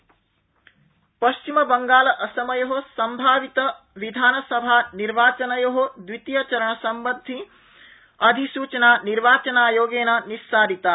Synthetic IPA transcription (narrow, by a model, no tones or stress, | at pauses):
pɐʃt͡ʃimɐbɐŋɡaːlɐʔɐsɐmɐjoɦosɐmbʱaːʋit̪ɐ | ʋid̪ʱaːnɐsɐbʱaːniɾʋaːt͡ʃɐnɐjoɦod̪ʋit̪jɐt͡ʃɐɾɐɳɐsɐmbɐd̪ʱi | ɐd̪ʱisuːt͡ʃɐnaːniɾʋaːt͡ʃɐnaːjoːɡeːnanisːaːɾit̪aː